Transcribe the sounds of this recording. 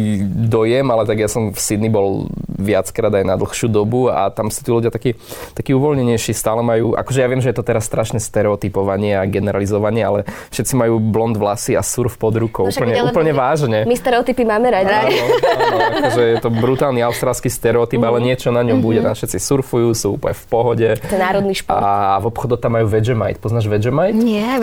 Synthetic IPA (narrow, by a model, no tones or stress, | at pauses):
d̪ɔjɛmalɛt̪aɡjasɔmfsid̪nibɔlʋɪat͡skɾaːd̪ajnad̪l̩xʃuːd̪ɔbua̰t̪amsu̥t̪iːluɟɪjat̪akit̪akiːuʋɔlɲɛɲɛjʃist̪aːlɛmajuːʔa̰kɔʒɛjaʋɪɛmʒɛjɛt̪ɔt̪ɛɾasːt̪ɾaʃnɛst̪ɛɾɛɔt̪ipɔʋaɲɪɛaɡɛnɛɾalizɔʋaɲɪɛalɛfʃɛt̪t͡simajuːblɔnd̪ʋlasia̰suɾfpɔd̪ɾukɔupl̩ɲɛupl̩ɲɛʋaːʒɲɛmist̪ɛɾɛɔt̪ipimaːmɛɾaɟiai | akɔʒɛjɛt̪ɔbɾut̪aːlniaʊst̪ɾaːlskist̪ɛɾɛɔt̪ibalɛɲɪɛt͡ʃɔnaɲɔmbuɟɛt̪amfʃɛt̪t͡sisuɾfujuːsuːṵplɲɛfpɔɦɔɟɛt̪ɛnːaːɾɔd̪niʃpɔ̰a̰ʋɔpxɔd̪ɔt̪amːajuːʋɛd͡ʒɛma̰jt̪pɔznaːʒʋɛd͡ʒɛmajt̪ɛ